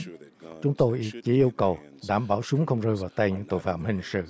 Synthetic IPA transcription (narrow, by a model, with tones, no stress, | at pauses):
t͡ɕʊ˨˦˥ŋ͡mt̪o˧jʔi˧t͡ɕi˧˦ʔi˧əwkə˨˩wɗaː˧˩mɓaː˧˩wsʊ˨˦ŋ͡mxə˧wŋ͡mzəː˧jvaː˨˩wt̪a˧jɲɨ̰˧˥ŋt̪o̰˧˨jfa̰ː˧˨mhï˨˩ŋ̟sɨ̰˧˨